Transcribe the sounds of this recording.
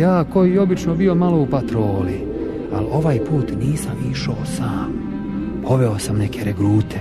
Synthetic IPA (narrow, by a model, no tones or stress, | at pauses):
jaːko̞jieo̞bit͡ʃno̞bio̞malo̞upat̪ɾoːli | a̰lo̞ʋaːjpuːt̪niːsamiʃaosaːm | pʰo̞ʋe̞o̞samne̞kʰeɾeɡɾuːt̪ʰe